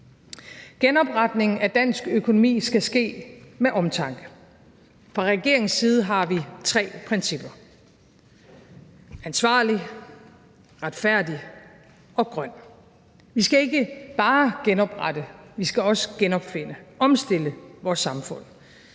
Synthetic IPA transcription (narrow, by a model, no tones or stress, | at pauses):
ɡ̥enɒ̽b̥ʁad̥ne̝ŋ̩æd̥æn̰sɡ̥økʰo̝no̝mḭːsɡ̥æsɡ̥e̝̰ːmeʔɒ̽mt͡sʰɑ̈ŋɡ̥ə | fʁɑ̈ʁɛɡ̥e̝ɐ̰eŋ̩siːð̞ˠəɦɑ̈ʋit͡sʰʁɛ̰ːpʰʁɛnsib̥ɐ | ænsʋɑ̰̈ːli | ʁad̥fæɐ̰d̥i | ɒ̽ɡ̥ʁɶn̰ | ʋisɡ̥æe̝ɡ̥əb̥ɑ̈ːɡ̥enɒ̽b̥ʁɑd̥əʋisɡ̥æɒ̽sə̥ɡ̥enɒ̽b̥fe̝n̰əʔɒ̽msd̥e̝ləʋɒːsːɑ̈mfɔ̽n̰